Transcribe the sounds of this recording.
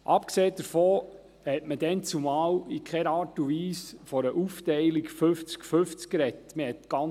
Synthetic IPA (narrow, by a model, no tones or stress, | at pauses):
ʔɑpkseːd̥əɾfoː | hɛtməd̥ɛnt͡sumɑːwikχɛɾɑːɾtuʋiːsfɔɾəʔuftɛɪlikføft͡skføft͡skːɾɛtməhɛtɡ̥ɑ